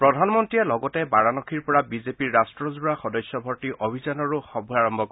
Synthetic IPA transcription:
pɹɔdʱanmɔntijɛlɔɡɔtɛbaɹanɔkʰiɹpɔɹabizepiɹːastɹɔzuɹaxɔdɔjsjɔbʱɔɹtiʔʔobʱizanɔɹuxɔbʱuaɹɔmbʱɔk

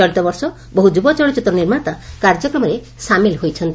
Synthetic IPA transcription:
ɔɽit̪ɔbɔɾsɔ | bɔɦud͡ʒubɔt͡ʃɔɭit͡ʃut̪ːɾɔniɾmaɽɔt̪akaɾd͡ʒɔkɾɔmɔɾe | samilɦojt͡ʃʰɔnt̪i

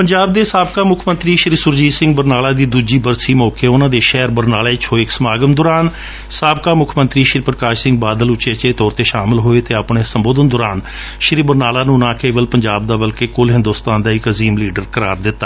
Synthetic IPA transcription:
pəɲd͡ʒaːb̚d̪eːsaːbkaːmʊkʰmənt̪ɾiːʃɾiːsʊɾd͡ʒiːsɪ̃ŋɡ̚bəɾnaːlaːd̪iːd̪uːd͡ʒiːbəɾsiːmɔːkeːʊnãːd̪eːʃɛːɾbəɾnaːleːt͡ʃɦoːeɪksəmaːɡənd̪ʊːɾaːn | saːb̚kaːmʊkʰmə̃nt̪ɾiːʃɾiːpɾəkaːʃsɪ̃ŋɡbaːd̪əlʊt͡ʃeːt͡ʃeːt̪ɔːɾt̪eːʃaːmɪlɦoːeːt̪eːapɳeːsəmboːd̪ənd̪ʊɾaːn | ʃɪɾiːbəɾnaːlaːnũːnãːkeːʋəlpəɲd͡ʒaːb̚d̪aːbəlkeːkʊlɦɪ̃nd̪oːst̪ãːnd̪aːɪkəziːmliːɖəɾkəɾa̰ːɾd̪ɪt̪ːaː

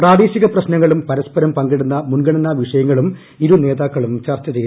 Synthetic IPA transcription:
praːd̪eːɕiɣɐprɐɕnɐŋːɐɭumpɐɾɐspɐɾɐmpɐŋɡiɽunːɐmunɡɐɳɐnɐʋiʂɐjɐŋːɐɭum | iɾune̞ːðaːkːɐɭumt͡ɕaːrt͡ɕːɐt͡ɕej

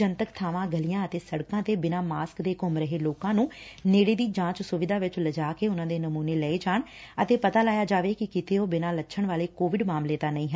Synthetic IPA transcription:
ənt̪əkt̪ʰaːʋãːɡəlijãːət̪eːsəɽkãːət̪eːbɪnaːmaːskd̪eːkʊmɾəɦeːloːkãːnũːneːɽeːd̪iːd͡ʒãːt͡ʃsʊʋɪd̪aːʋɪt͡ʃləd͡ʒaːkeːʊnãːd̪eːnəmuːneːlɛːeːd͡ʒaːɳət̪eːpət̪aːlaːjaːd͡ʒaːʋeːkɪkɪt̪ʰeːoːbɪnaːlətːʃʰəɳʋaːleːkoːʋɪɖmaːmleːt̪aːnəĩːɦɛ

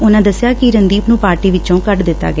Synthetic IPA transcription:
ʊnãːd̪əsɪjaːkɪɾənd̪iːpnũːpaːɾʈiːʋɪt͡ʃõːkəʈd̪ɪt̪ːa̰ːɡɛ

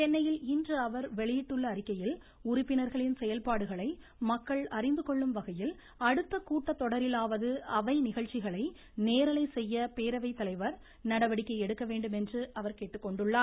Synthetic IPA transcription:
t͡ʃɛnːɐjɪlɪndrɯɐʋɐɾʋɛɭɪjɪʈːɯɭːɐːɾɪkːɐjɪl | ʊrɪpːɪnɐɾɣɐɭɪnsɛjɐlpaːɽɯɣɐɭɐɪ | mɐkːɐɭɐrɪnd̪ɯkɔɭːɯmʋɐɣɐjɪl | ɐɽɯt̪ːɐkuːʈːɐt̪ːɔɽɐɾɪlaːʋɐðɯɐʋɐɪnɪɣɐɭt͡ʃːɪɣɐɭɐɪ | neːɾɐlɐɪsɛjːɐpeːɾɐʋɐɪt̪ːɐlɐɪʋɐɾ | nɐɽɐʋɐɽɪkːɐɪɛɽɯkːɐʋeːɳɖɯmɛndrɯʔɐʋɐɾkeːʈːɯkːɔɳɖɯɭːaːɾ

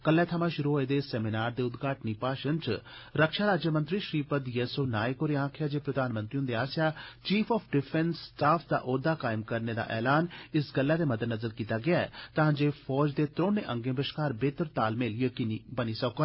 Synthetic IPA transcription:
kəlːɛ̃t̪ʰɐmãʃʊɾuɦoːed̪esɛminaːɾd̪eːʊd̪ɡʱaːʈnipaːʃənt͡ʃ | ɾəkʃaːɾaːd͡ʒjəmə̃nt̪ɾiːʃɾiːpəd̪jeːsonaːekoːɾeãːkʰjad͡ʒeːpɾɐd̪aːnmənt̪ɾiʊ̃nd̪eaːsjaːt͡ʃiːpʰɔːpʰɖɪpʰɛnsːʈaːpʰd̪a̰ːʔoːd̪aːkaːɪmkɐɾned̪a̰ːʔɛːlaːnɪsɡəlːaːd̪eːmɐd̪əd̪nɐzəɾkiːt̪aɡɪaːɛ̰t̪aɦãːd͡ʒepʰɔːd͡ʒd̪eːt̪ɾõːnẽʔə̃ŋɡẽbəʃkaːɾbeːt̪əɾt̪aːlmeːljəkiːnibənisɐkoɡa

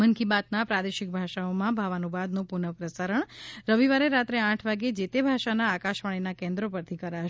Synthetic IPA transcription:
mənkibat̪napɾad̪eʃɪk̚bʱaʃaomãbʱaʋanubad̪nopunəpɾəsaɾəɳɾəʋiʋaɾeɾat̪ɾeãʈʰʋaɡed͡ʒet̪ebʱaʃanaːkaʃʋaɭ̃inakẽnd̪ɾopəɾt̪ʰikəɾaʃ

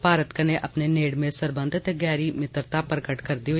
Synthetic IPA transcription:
paːɾət̪kəneʔɐpneneːɽmẽsəɾbə̃nd̪ʱt̪eɡɛːɾimɪt̪ɾt̪apɾəkəʈkəɾd̪io

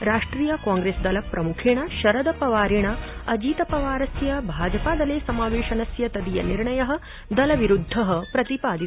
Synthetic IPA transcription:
ɾaːʂʈɾiːjɐkaːŋɡɾeːsd̪ɐlɐpɾɐmukʰeːɳɐʃɐɾɐd̪ɐpɐʋaːɾeːɳɐɐd͡ʒiːt̪ɐpɐʋaːɾɐsjɐbʱaːd͡ʒɐpaːd̪ɐleːsɐmaːʋeːʃɐnɐsjɐt̪ɐd̪ijɐ̰niɾɳɐjɐɦɐ̆ | d̪ɐlɐʋiɾud̪ʱːɐɦɐpɾɐt̪ipaːd̪i

